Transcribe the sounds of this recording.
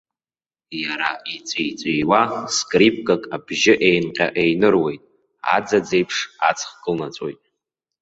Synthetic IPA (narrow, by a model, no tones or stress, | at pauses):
jaɾait͡sʷʼit͡sʷʼijwaskʼrip̚ʰʼkʼakʼabʒɪʔejnqʲʼa̰ʔejnɨrwe̞jtʼ | a̰d͡zad͡ze̞jpʰʂat͡sʰʼχkʼɨlnat͡sʷʼo̞̰jtʼ